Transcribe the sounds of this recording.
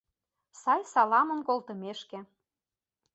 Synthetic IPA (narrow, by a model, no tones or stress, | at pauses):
sɑjsɑlɑmə̆mkolt̪əmeʃkĕ